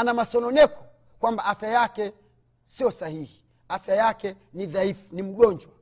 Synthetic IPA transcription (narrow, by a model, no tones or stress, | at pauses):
anamasɔnɔnɛkɔ̥ | kwambaafjajakɛ | siɔsahihi | afjajakɛ | niðaifunim̩ɡɔnd͡ʒwa